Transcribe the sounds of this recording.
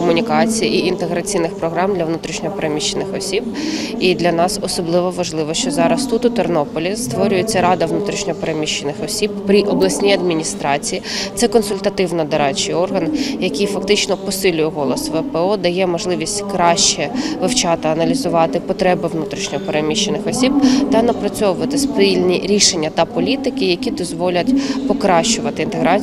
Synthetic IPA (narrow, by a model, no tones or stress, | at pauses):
kɔmʊnʲikɑt͡sʲijiʔiint̪eɣɾɐt͡sʲijnɪxpɾɔɦɾɑmd̪lʲɐʋnut̪ɾʲiʃnʲɔɦɔpeɾemʲiʃːenɪxɔsʲibid̪lʲɐnɑsɔsɔblˠɪʋɔʋɐʒlˠɪʋɔʃt͡ʃɔzɑɾɐst̪ut̪ʊt̪ernɔpɔlʲist̪ʋɔɾʲʊjet͡sʲːɐɾɑd̪ɐʋnut̪ɾʲiʃnʲɔɔpeɾemʲiʃːenɪxɔsʲib̚pɾʲiʔɔblˠɐsʲnʲijɐd̪mʲinʲist̪ɾɑt͡sʲijit̪sɛkɔnsʊlʲt̪ɐt̪ɪʋnɐd̪ɐɾɑt͡ʃɪjɔrɦɐnjɐkʲijfɐkt̪ɪt͡ʃnɔpɔsɪlʲʊjɛɦɔlˠɔsʋɛpɛɔd̪ɐjɛmɔʒlˠɪʋʲisʲtʲkɾɑʃt͡ʃɛʋɪwt͡ʃɑt̪ɪɐnɐlʲizʊʋɑt̪ɪpɔt̪ɾɛbɪʋnut̪ɾʲiʃnʲɔɔpeɾemʲiʃːenɪxɔsʲib̚t̪ɐnɐpɾɐt͡sʲɔʋʊʋɐt̪ɪspʲilʲnʲiɾʲiʃenʲːɐt̪ɐpɔlʲit̪ɪkɪjɐkʲid̪ɔzʋɔlʲɐtʲpɔkɾɑʃt͡ʃʊʋɐt̪ɪint̪eɦɾɑ